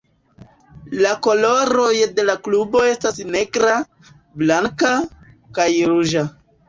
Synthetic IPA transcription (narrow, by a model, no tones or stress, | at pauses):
lako̞lo̞ɾo̞jde̞laklubo̞e̞stasne̞ɡɾa | blaŋka | kajɾuʒa